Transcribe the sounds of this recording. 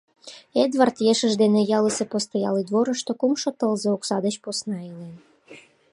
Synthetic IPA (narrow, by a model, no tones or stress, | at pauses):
ed̪βɑrt̪jeʃəʒd̪enejɑləsepost̪ɑjɑlid̪βoɾə̆ʃt̪okumʃot̪əlzooksɑd̪ət͡ɕposnɑilen